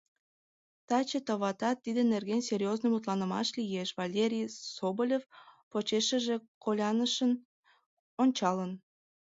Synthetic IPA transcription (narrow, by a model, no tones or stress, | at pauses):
t̪ɑt͡ɕet̪əβɑt̪ɑt̪ːid̪ənerɣenʲserʲjoznojmut̪lɑnə̆mɑ̰ʃlʲijeʃvɑlʲeɾʲijsobolʲefpot͡ɕeʃə̆ʒekolʲɑnəʃən | onʲt͡ɕɑlən